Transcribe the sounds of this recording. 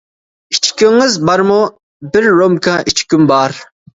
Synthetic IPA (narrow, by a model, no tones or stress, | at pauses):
it͡ʃkʲiŋɨzbɑɾmʊ | bɪɾːomkʰãʔit͡ʃʰkʲymbɑːɾ